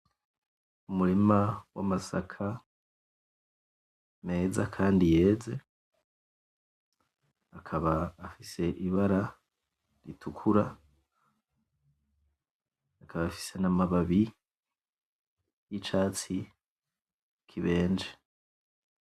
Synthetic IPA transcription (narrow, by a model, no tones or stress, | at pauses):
umuɾimawa̰masakʰa | me̞ːza̰kʰaːndije̞ːd͡ze̞ | akʰaβaːfise̞ʔiβaɾa | ɾḭtʰukʰuɾa | kʰaβafi̥se̞namaβaβi | jit͡ʃaːt͡si | kʰiβe̞ːnd͡ʒe